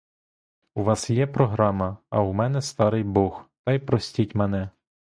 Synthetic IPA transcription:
uʋɑsjɛpɾɔɦɾɑmɐɐ̰umɛnɛst̪ɑɾɪjbɔxt̪ɑjpɾɔsʲtʲitʲmɛnɛ

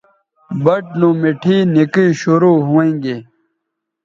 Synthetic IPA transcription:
bɐʈ̚lũːmiʈʰiːnikiːɕuɾuːɦuẽːŋɡe

